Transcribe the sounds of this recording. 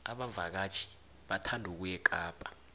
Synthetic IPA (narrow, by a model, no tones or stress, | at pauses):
aɓava̰k̬at͡ʃʰi̥ | ɓatʰandʱuk̬ujɛk̬ʼaːpʼḁ